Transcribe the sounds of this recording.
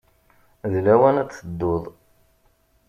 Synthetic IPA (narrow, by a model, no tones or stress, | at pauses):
ðlæwænæt͡sːəd̪ːoðˤ